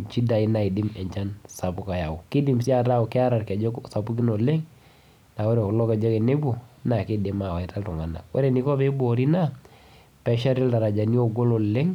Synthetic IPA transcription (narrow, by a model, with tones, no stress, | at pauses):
t͡ʃi˦da˨i˦na˨i˨dɪ˦mɛ˨ɲt͡ʃa˦nsa˨pʊ˦ka˨ja˨ʊ˨kɪ˦di˨msi˦a˨ta˦ɔ˨kɪ˦a˦ɾa˨rkɛ˨d͡ʒɔ˦ksa˨pu˦ki˦no˨le˦ŋ | na˨wɔ˦ɾe˨klɔ˦kɛ˨d͡ʒɔ˦ke˨ne˦bo˨na˨kɪ˦de˨ma˨wa˨i˨ta˦ltʊ˨ŋa˨na̰˨wɔ˦ɾe˨ni˨˦kɔ˦be˦bo˦˨ɾi˦na˦ | pɛ˦ʃa˦ɾɛ˦lda˨ɾa˨d͡ʒa˨ni˦o˦˨ɡo˦lo˨le˦ŋ